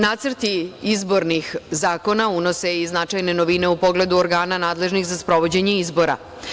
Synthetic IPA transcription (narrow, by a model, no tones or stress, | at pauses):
naːt̪səɾt̪iizbo̞ɾnixzaːko̞nauno̞se̞iznat͡ʃajne̞no̞ʋine̞upo̞ɡle̞d̪uoɾɡaːnanaːd̪le̞ʒnixzaspɾo̞ʋo̞d͡ʑe̞ɲeizbo̞ɾa̰